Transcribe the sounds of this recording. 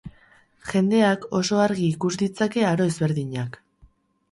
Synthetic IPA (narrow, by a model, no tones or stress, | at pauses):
ʝe̞nd̪e̞ako̞so̞aɾɣiːkuzd̪it͡sake̞aɾo̞e̞zβe̞ɾðiɲak